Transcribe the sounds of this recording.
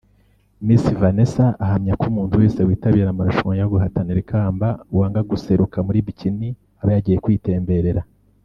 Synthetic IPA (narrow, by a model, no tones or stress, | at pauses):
misivane̞saʔːhamɲakumuːntuwe̞ːsewiːtaβiːɾamaɾuʃuŋjaɡuɦataniɾikʰaːmbauwaːŋɡaɡuse̞ɾukamuɾiːβicini | aβajaɟiːjekwiːte̞ːmbe̞ɾe̞ɾa